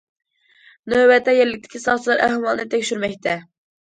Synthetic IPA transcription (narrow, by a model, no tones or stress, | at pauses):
nøbɛt̪ʰːɛjɛɾlːɪk̚ʲt̪ʰɪ̥kʲʰisɑt̪lˠɑɾʔæhwɑlˠnɨt̪ʰːɛkʲʃyɾmɛkʲt̪ʰɛ